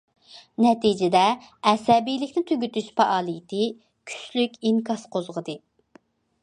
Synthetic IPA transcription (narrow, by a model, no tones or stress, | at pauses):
nɛt̪ʰid͡ʒɪd̪ɛɛsɛbijlɪkʲnɪt̪ʰøɡʲyt̪yʃpɑʔɑːlˠɨjit̪ʰɪ | kʲʰy̥t͡ʃlykʲiŋkʰɑsqʰozʁəd̪ɨ